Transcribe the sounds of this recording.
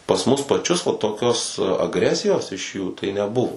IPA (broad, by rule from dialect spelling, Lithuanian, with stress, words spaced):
pɐs ˈmʊs pɐˈt͡ʃʲʊs ʋɐ toːˈkʲoːs ɐɡˈrʲæːsʲɪjoːs ɪʃ juː tɐɪ nʲɛˈbʊʋoː